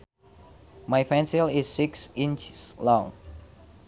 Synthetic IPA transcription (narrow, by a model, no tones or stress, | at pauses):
majfɛ̃nsilɪsːiksĩnt͡ʃslɔ̃ŋ